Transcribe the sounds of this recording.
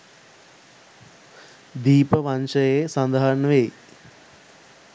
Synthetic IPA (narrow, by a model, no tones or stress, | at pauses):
d̪iːpəʋanʃəjesand̪aɦaɾnʋej